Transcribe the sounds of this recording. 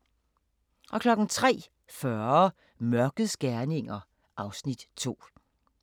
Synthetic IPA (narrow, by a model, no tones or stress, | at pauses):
ʔɒ̽kʰlɒ̽ɡ̥n̩t͡sʰʁɛ̰ː | fɶɐ | mɶɐɡ̥ð̩ˠsɡ̥æɐne̝ŋɐ | ʔɑ̈ʊsnid̥t͡sʰo̝̰ː